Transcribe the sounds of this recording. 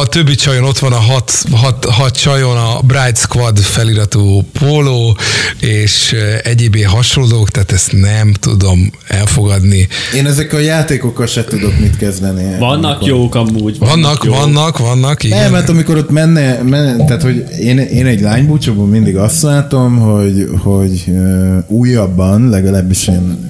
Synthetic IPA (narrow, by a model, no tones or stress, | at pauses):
ɒt̪øbːit͡ʃɒjono̞t̪ʋɒnɒɦɒt̪ɦɒt̪ɦɒt̪t͡ʃɒjonɒbrajt̪skʋɒrd̪fɛliɾɒt̪uːpʰoːloːeːʃɛɟeːbeːɦɒʃolloːkt̪aːt̪ɛst̪nɛmt̪ṵd̪o̞m | ɛlfo̞ɡɒd̪nieːnɛzɛkːɛljaːt̪eːko̞kːɒlʃɛt̪ud̪o̞k̪mit̪kɛzd̪ɛniɒnːɒkjoːkɒmuːɟvɒnːɒkvɒnːɒkʋɒnːɒkiɡɛɛmat̪ɒmiko̞ɾot̪mɛnːɛmɛnt̪aːt̪ho̞ɟ | eːneːnɛɟlaːɲbuːt͡ʃoboːmind̪iɡɒst̪laːt̪o̞mɦo̞ɟho̞ɟøuːjːɒbːɒnlɛɡɒlaːbːiʃeːn